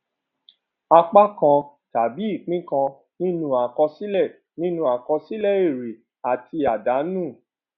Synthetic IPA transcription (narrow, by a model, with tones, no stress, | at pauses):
a˧k͡pa˦kã˧ | ta˨bi˨˦i˦˨k͡pĩ˦kã˧ | nĩ˦nũ˦a˨kɔ˧si˦lɛ˦˨ | nĩ˦nũ˦a˨kɔ˧si˦lɛ˦˨e˨ɾe˨ | a˨ti˧a˨da˨˦nũ˦˨